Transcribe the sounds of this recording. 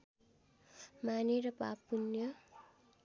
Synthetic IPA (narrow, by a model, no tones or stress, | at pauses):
maniɾʌpa̰punjʌ